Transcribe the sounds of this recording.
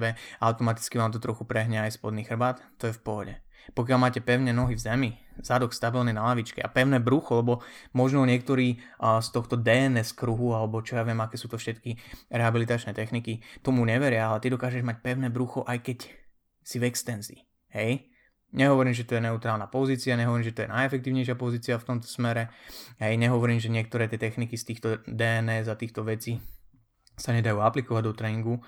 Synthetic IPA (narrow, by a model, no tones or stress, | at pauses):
bɛʔaʊt̪ɔmat̪i̥t͡skiʋaːmt̪ɔt̪ɾɔxupɾɛɦɲɛajspɔd̪niːxr̩baːt̪ːɔjɛfpɔɦɔɟɛpɔkɪalˠmaːcɛpɛʊɲɛnɔɦivzɛmiz̥ad̪ɔkst̪abilninalaʋit͡ʃkɛ̰ʔa̰pɛʊnɛːbɾuxɔlɛbɔmɔʒnɔɲɪɛk̚t̪ɔɾiː | st̪ɔxt̪ɔd̪ɛɛnɛskɾuɦualɛbɔt͡ʃɔjaːʋɪɛmakɛːsuːt̪ɔfʃɛt̪kiɾɛɦabilit̪at͡ʃnɛːt̪ɛxnikit̪ɔmuɲɛʋɛɾɪaalɛt̪id̪ɔkaːʒɛʒmac̚pɛʊnɛbɾuxɔʔajkɛc | sivɛkst̪ɛnzḭː | ɦɛj | ɲɛɦɔʋɔɾiːmʒɛt̪ɔjɛnɛut̪ɾaːlnapɔziːt͡siaɲɛɦɔʋɔɾimʒɛt̪ɔjɛ̰najɛfɛk̚t̪iːʊɲɛjʃɪapɔziːt͡siaft̪ɔmt̪ɔ̥smɛɾɛɦɛjɲɛɦɔʋɔɾiːmʒɛɲɪɛk̚t̪ɔɾɛːt̪ɪɛt̪ɛxnikist̪iːxt̪ɔd̪ɛɛnɛːzat̪iːxt̪ɔʋɛt͡siː | saɲɛd̪ajuːaplikɔʋaɟd̪ɔt̪ɾɛːniŋɡu